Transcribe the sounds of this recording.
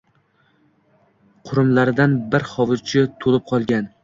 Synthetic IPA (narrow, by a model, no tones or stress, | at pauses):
qʰʊɾʊmlaɾɪd̪anbɪɾχɒvɨzt͡ʃʰɪt̪ʰolɪp̚qʰɒlˠɡʲan